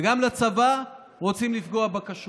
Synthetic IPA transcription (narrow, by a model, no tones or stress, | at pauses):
eɡamlat͡sava | ʁo̞t͡simlifɡoabakaʃ